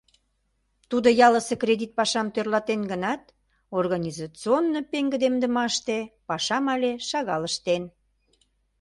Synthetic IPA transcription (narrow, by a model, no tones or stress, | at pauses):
t̪ud̪ojɑləsekred̪ʲit̪̚pɑʃɑmt̪ørlɑt̪enɡənɑt̪ | orɣɑnʲizɑt͡sɨonːopeŋɡə̆d̪emd̪əmɑʃt̪epɑʃɑmɑlʲeʃɑɣɑləʃt̪en